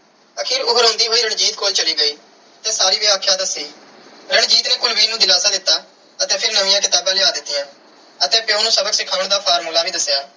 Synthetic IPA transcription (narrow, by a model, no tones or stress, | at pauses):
əkʰiːɾʊɦəɾɦõːnd̪iːɦoːiːɾəɳd͡ʒiːt̪koːlt͡ʃəliːɡəiː | ət̪eːsaːɾiːʋɪaːkʰːjãːd̪əsiː | ɾəɳd͡ʒiːt̪nẽːkʊlʋiːnũːd̪ɪlaːsaːd̪ɪt̪ːaː | ət̪ẽːpʰɪɾnəʋɪ̃jãːkɪt̪aːbãːlɪaːd̪ɪt̪ːɪjãː | ət̪ẽːpɪjõːnũːsəbəksɪkʰaːʋəɳd̪aːpʰaːɾmuːlaːʋiːd̪əsːjaː